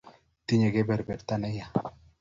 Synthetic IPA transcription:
t̪i˦ɲe˨ɡe˦bɛ˨ɾbɛ˨dt̪a˦nɛ˦ja˨

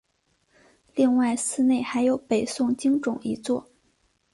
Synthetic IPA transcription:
li˥˧ŋwa˥˩ɪsɹ̩˥˧ne˥˩ɪxa˧˥ɪjo˧˥ʊpe˨˩ɪsʊ˥˩ŋt͡ɕi˥ŋʈ͡ʂʊ˨˩ŋi˧˥t͡swɔ˥˩

